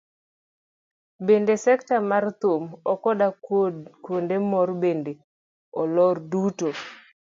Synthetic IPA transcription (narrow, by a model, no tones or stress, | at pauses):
bendesɛktamart̪omɔkɔdakondemɔrbende | ɔlɔrduto